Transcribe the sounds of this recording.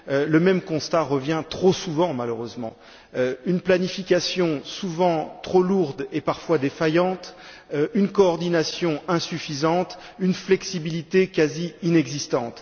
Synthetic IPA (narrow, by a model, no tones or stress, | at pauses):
øləmɛmkɔ̃st̪aʁəvjɛ̃t̪χosuvɑ̃maløʁøzmɑ̰̃ | øynplanifikʲasjɔ̃suvɑ̃t̪χoluʁd̪epaʁfwad̪efajɑ̃t̪ | ynkɔːʁd̪inasjɔ̃ɛ̃syfizɑ̃t̪ynflɛksibilit̪ekʲaziinɛɡzist̪ɑ̃t̪